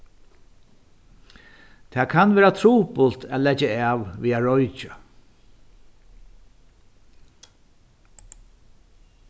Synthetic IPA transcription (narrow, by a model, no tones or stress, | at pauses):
t̪ʰɛːkʰanʋeːɹat̪ʰɾuːpʊlt̪æːt̪lɛt͡ʃːaaːʋviːaɹɔjt͡ʃa